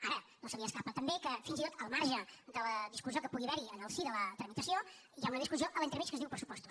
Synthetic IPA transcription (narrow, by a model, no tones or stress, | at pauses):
aɾənosəβiəskapət̪əmbekəfinzit̪o̥t̪əlˠmaɾʒəd̪ələðiskuziokəpuɣiβɛɾiənəlˠsiðələt̪ɾəmit̪əsio | ijaunəðiskuzioʔəlˠint̪ɾmit͡ʃkəzðiwpɾəsu̥pɔst̪u̥